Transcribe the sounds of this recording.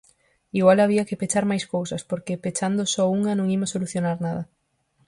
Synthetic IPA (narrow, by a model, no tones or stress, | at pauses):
iɣwalaβiɐkɪpet͡ʃaɾmajskowsɐspoɾkɪpet͡ʃand̪osɔuŋɐnõŋimɐsoluθjonaɾnaðɐ